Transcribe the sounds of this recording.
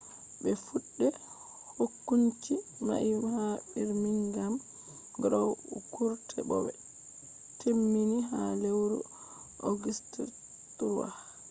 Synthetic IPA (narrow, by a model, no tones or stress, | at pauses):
bɛfuɗːɛ | hokːuɲt͡ʃima̰ʔihaɓiɾmiŋɡam | ɡɾɔwukuɾtʰɛ̰bɔ̰ɛ̰ | tʰemːiniɦalewɾṵ | ʔɔɡistiɾ | tuɾwa̰